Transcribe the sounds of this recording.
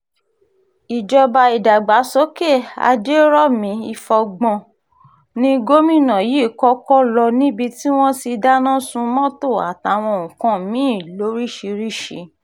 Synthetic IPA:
i˨d͡ʒɔ˧ba˧i˨da˨ɡ͡ba˨˦sɔ˨˦ke˦˨a̰˧d͡ʒe˦ɾɔ˦mĩ˧˦i˧fɔ˧ɡ͡bɔ̃˧ | nĩ˦ɡo˦mĩ˦˨nã˨ji˨˦˨kɔ˦kɔ˦lɔ˧nĩ˦bi˧ti˦w̃ɔ̃˦ti˧da˦nã˦sũ˧mɔ̃˦to˦˨a̰˨ta˨˦˨w̃ɔ̃˧o˨ũ˨kã˧˦mĩ˨˦i˦˨lo˨˦ɾi˦˨ʃi˧ɾi˦˨ʃḭ˨˦

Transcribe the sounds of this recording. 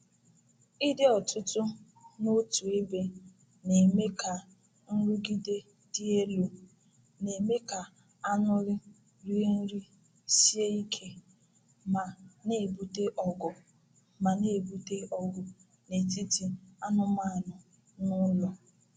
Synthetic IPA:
i˦dɪ˦ɔ˨tʰʊ˦tʊ˦ | no˦tu˨e˦be˦ | ne˨me˦kʰa˨ | n̩˦ɾu˦ɡi˦de˦ | di˦e˦lo˨ | ne˨me˦ka˨ | a˦nʊ˦ɾɪ˦ | ɾi˦n̩˦ɾi˦ | si˦e˦i˦kʰe˦ | ma˨ne˦˨bu˦te˦ʔɔ˨ɡɔ˨ | ma˨ne˦˨bu˦te˦ʔɔ˦ɡʊ˨ | ne˨ti˦ti˨a˦nʊ˦ma˦a˨nʊ˨ | nʊ˦lɔ˨

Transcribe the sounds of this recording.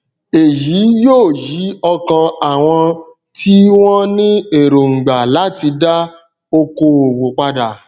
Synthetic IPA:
e˨ji˨˦joː˦˨ji˨˦ɔ˧kã˧a˨w̃ɔ̃˧ | tʰi˦w̃ɔ̃˦nĩ˦e˦˨ɾo˨ŋ̩˨ɡ͡ba˨la˨˦ti˧da˦ | o˧ko˧o˨wo˨k͡pa˧da˨

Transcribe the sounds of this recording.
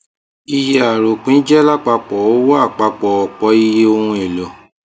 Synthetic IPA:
i˧ja˨ɾo˨k͡pĩ˨˦d͡ʒɛ˦la˦˨k͡pa˧k͡pɔ˨o˦wɔ˦a˦˨k͡pa˧k͡pɔ˨ɔ˨k͡pɔ˨˦i˧je˧˦o˧hũ˧ɛ˨lɔ˨

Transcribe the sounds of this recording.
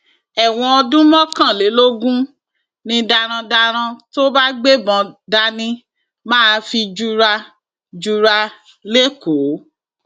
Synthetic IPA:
ɛ˨w̃ɔ̃˧ɔ˧dũ˦mɔ̃˦kã˦˨le˨˦lo˦ɡũ˦ | nĩ˧da˧ɾ̃ã˧da˧ɾ̃ã˧to˦ba˦ɡ͡be˦bɔ̃˧da˧nĩ˧ | mãː˦˧fi˧d͡ʒu˧ɾa˧ | d͡ʒu˧ɾa˧ | le˦ko˨˦

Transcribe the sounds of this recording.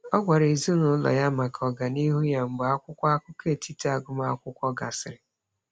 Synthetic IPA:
ɔ˦ɡʷa˨ɾe˨zu˦nʊ˨˦lɔ̰˨ja˦ma˨kʰɔ˨ɡa˨ni˦ɦu˦ja˦ŋ͡m̩˨ba˨a˦kʷʊ˦kʷa˦a˦kʷʊ˦ke˦˨tʰi˦ta˨ɡʊ˦ma˦a̰˦kʷʊ˦kʷɔ˦ɡa̰˨sɪ˨ɾɪ˨

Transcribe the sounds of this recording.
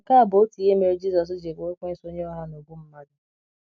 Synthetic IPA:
ka˦a˨bo˨˦ti˨e˦me˨ɾi˦d͡ʒi˦sɔ˨s̬d͡ʒe˨kːkʷe˦so˦ɲe˦ɔ˦ɦa˦no˨ɡʷu˦m̩˦ma˦dʊ˦

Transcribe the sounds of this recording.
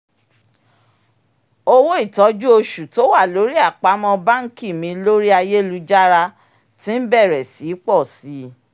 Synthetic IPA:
o˧wo˦i˦˨tɔ˨˦d͡ʒu˦o˧ʃu˨to˨˦wa˦˨lo˨˦ɾi˦a˦˨k͡pa˨˦mɔ̃˧ba˦ŋ̩˦ki˦˨mĩ˧˦lo˦ɾi˦a˧je˦lu˧˦d͡ʒa˦ɾa˧ | tĩ˦m̩˦bɛ˦˨ɾɛ˨si˨˦k͡pɔ˦˨si˨˦

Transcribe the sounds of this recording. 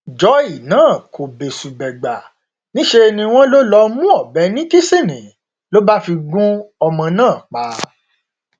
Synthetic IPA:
d͡ʒɔ˨˦i˦˨nãː˨˦˨ko˨be˨su˨ɡ͡bɛ˨ɡ͡ba˨ | nĩ˦ʃe˧nĩ˧w̃ɔ̃˦lo˦lɔ˧˦mũ˦ɔ˦˨bɛ˨˦nĩ˦ki˦si˦˨nĩ˨ | lo˦ba˦fi˧ɡũ˦ɔ˧mɔ̃˧nãː˦˨k͡pa˨˦

